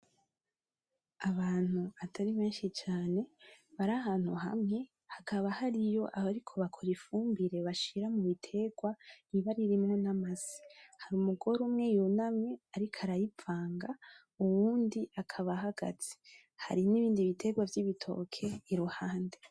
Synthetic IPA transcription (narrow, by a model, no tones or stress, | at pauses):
aβaːn̥huatʰaɾiβeːnʃit͡ʃaːne̞βaɾaɦaːn̥huɦamŋe̞ | hakaβahaɾijo̞ʔahaɾikʰo̞βakʰoɾifuːmbiɾe̞βaʃiɾamuβitʰe̞ɡwaiβaɾiɾimŋonamasi̥haɾumuɡo̞ɾumŋe̞junamŋe̞aɾikʰaɾajipfaːŋɡa | uwuːndiʔakʰaβaɦaɡ̥a̰t͡se̥ | ha̰ɾiniβiːndiβitʰe̞ɡwavjiβitʰo̞̰kʰe̞iɾuhaːnde̞